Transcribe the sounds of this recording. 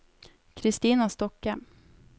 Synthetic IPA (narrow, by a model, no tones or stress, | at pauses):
kʰɾɪst̪iːnast̪ɔkhɛm